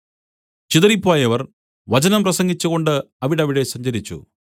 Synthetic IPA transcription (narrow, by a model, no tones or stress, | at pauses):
t͡ɕiðɐɾipːoːjɐʋɐr | ʋɐd͡ʑɐnɐmprɐsɐŋɡit͡ɕːuɣo̞ɳɖɨ | ɐʋiɽɐʋiɽe̞sɐɲd͡ʑɐɾit͡ɕːṵ